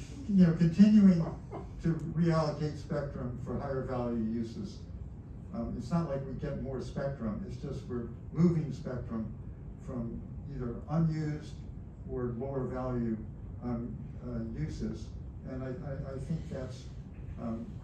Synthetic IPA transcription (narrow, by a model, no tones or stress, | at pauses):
jɨnoʊkɨ̃ntʰɪ̃njʉɪ̃ŋtʰɨɹiælˠəkʰeɪtspɛk̚tɹ̥ɨ̃ɱfə˞haɪə˞vælˠjʉjʉzɨz̥ | ɪtsnətˡlaɪkwiɡɛt̚mɔɹspɛk̚tɹ̥ɨ̃mɪtsd̥ʒ̥ʌst̚wɪɹ | muvɪ̃ŋspɛk̚tɹ̥ɨ̃m | fɹʌ̃m | iðə˞ʔʌ̃njʉzd | ə˞loʊə˞vælˠjʉ | jʉzɪz | ɨ̃naɪʔaɪʔaɪθɪ̃ŋk̚ðæts